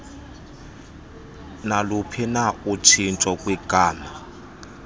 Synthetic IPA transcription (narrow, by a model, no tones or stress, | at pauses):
nalupʰinaut͡ʃʰint͡ʃʼɔkʼwiɡ̥ʱaːma